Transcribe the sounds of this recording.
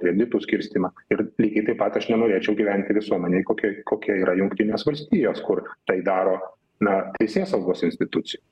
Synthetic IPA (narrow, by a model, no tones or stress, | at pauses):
kʲɾʲɛd̪ʲɪt̪usʲkʲɪɾʲsʲt̪ʲiːmɑːɪɾlʲiːkʲɛɪt̪ɐɪpɐt̪ɐʃnʲɛnoːɾʲeːt͡ʃʲɛʊɡʲiːʋʲɛnʲt̪ʲɪʋʲɪsuɔmʲɛnʲɛɪkoːkʲikoːkʲiɛiːɾɐjʊŋkt̪ʲɪnʲeːsʋɐlʲsʲt̪ʲiːjoːskʊrt̪ɐɪd̪ɑːɾoː | nɐt̪ʲɛɪsʲeːsɐʊɡoːsɪnsʲt̪ʲɪt̪ʊtt͡s̪ʲɪju